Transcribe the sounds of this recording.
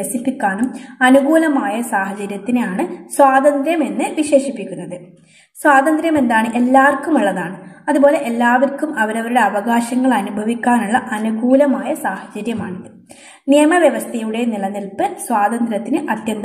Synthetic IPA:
esipːikʲːaːnumɐnuɡuːlɐmaːjɐsaːhɐd͡ʑɐɾjɐt̪ːinejaːɳɨswaːd̪ɐnd̪ɾjɐme̞nːɨʋiɕe̞ːɕipːikʲːunːɐðɨ | swaːd̪ɐnd̪ɾjɐme̞nd̪aːɳɨʔe̞lːaːrkumuɭːɐðaːɳɨɐðubo̞ːle̞ʔelːaːʋɐrkumɐʋɐɾɐʋɐɾuɽe̞ɐʋɐɡaːɕɐŋːɐɭɐnubʱɐʋikʲːaːnuɭːɐʔɐnuɡuːlɐmaːjɐsaːhɐd͡ʑɐɾjɐmaːɳiðɨ | nijɐmɐʋjɐʋɐst̪ʰɐjuɽe̞niɭɐnːilpːɨsʋaːd̪ɐnd̪ɾɐt̪ːinɨʔɐt̪jɐnd̪ɐ

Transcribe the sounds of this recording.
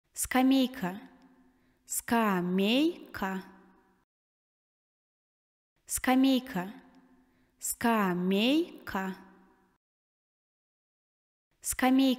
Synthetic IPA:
skamejkʰa | skamejkʰa | skamejkʰa | skamejkʰa | skame

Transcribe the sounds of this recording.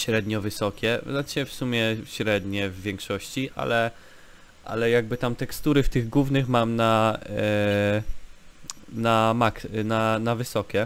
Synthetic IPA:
ɕɾɛd̪ɲɔvɘsɔkʲɛzat͡ɕɛfsumʲjɛɕɾɛd̪ɲɛvːʲjɛŋkʂɔɕt͡ɕiʔa̰lɛ | ʔa̰lɛjaɡ̚bɘt̪amt̪ɛkst̪uɾɘft̪ɘɣɡwuvnɘxmamna | namaknanavɘsɔkʲɛ

